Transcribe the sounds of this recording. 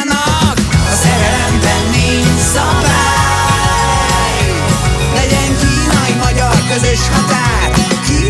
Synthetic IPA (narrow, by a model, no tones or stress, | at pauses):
nɒ | kɒzɛɾɛɾɛmbɛnːi | sɒmvɛ | lɛɟɛŋkiːnɒjimɒɟɒrkøzeʃnɒt̪aː | ki